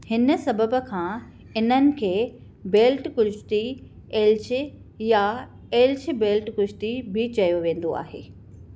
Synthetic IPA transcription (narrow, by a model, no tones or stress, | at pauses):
hɪnəsɐbəbə̆kʰãː | ɪn̤ənɪ̆kʰeː | beːlʈkʊʃt̪i | eːlt͡ɕɪ | ja | eːlt͡ɕɪ̆beːlʈkʊʃt̪ibɪt͡ɕɐjoʋẽːn̆d̪oa̰ːɦḛː